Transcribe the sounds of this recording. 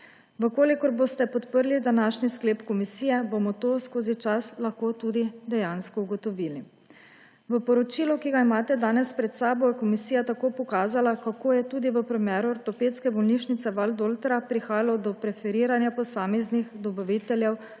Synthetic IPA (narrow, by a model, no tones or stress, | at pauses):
ʋəkoːlikɔɾboːst̪ɛpɔt̪pəɾlid̪anaːʃniskleːpkɔmisiːjɛbomɔt̪oːskoːzit͡ʃaslaxkoːt̪uːd̪id̪ɛjanskɔuɡɔt̪ɔʋiːli | ʋəpɔɾɔt͡ʃiːlɔkiɡaimaːt̪ɛd̪aːnɛspɾɛt̪saːbɔjɛkɔmisiːjat̪akoːpɔkaːzalakakoːjɛt̪ud̪iʋəpɾɛmjɛːɾuɔɾt̪ɔpeːt̪skɛbɔlniʃnit̪sɛʋald̪olt̪ɾapɾixaːjalɔd̪ɔpɾɛfɛɾiːɾanjapɔsaːmɛznixd̪ɔbɔʋit̪ɛljɛw